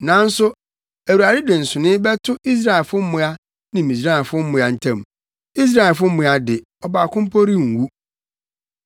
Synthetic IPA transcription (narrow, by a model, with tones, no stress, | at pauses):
nã˨˦n̩˦sʊ˦ | æ˨u˨a˨dɪ˦dɪ̃˨n̩˨sʊ˨nɪ̃˦bɛ˦tʰʊ˦i˦s̬ɾa˦ɛ˨lfʊ˦m̩˦mʊ̃˦a˦ | nɪ̃˨mĩ˨sɾa˦˨fʊ˦m̩˦mʊ̃˦a˨n̩˨tʰã˨m | i˦s̬ɾa˦ɛ˨lfʊ˦m̩˦ʊ̃˨a˦dɪ˨ | ɔ˨baː˨kʊ̃˦m˦pʰo˦ɾi˦˨ŋ̩˨wu˦